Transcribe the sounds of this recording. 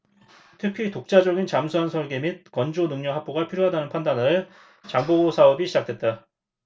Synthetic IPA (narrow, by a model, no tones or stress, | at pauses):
tʰɯkʰitok̚t͡ɕ͈ad͡ʑʌɡint͡ɕamsʰuansʰʌɭɡe̞mit̚kʌnd͡ʑonɯŋɲʌɦak̚p͈oɡapʰiɾjoɦadanɯnpʰandanɯɭ | t͡ɕaŋbobosʰaʌbiɕʰid͡ʑak̚t͈wet̚t͈a